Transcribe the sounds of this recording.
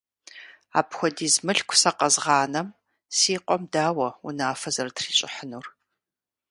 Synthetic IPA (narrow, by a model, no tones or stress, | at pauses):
a̰ːpxʷɔdiːzmɨɬkʷʰʊ̥sɐqɐzʁɑːnɐm | siːqʷʼɔmdaːwɐṵnaːfɐzɐrtʰriːɕʼɪ̰ħənuːr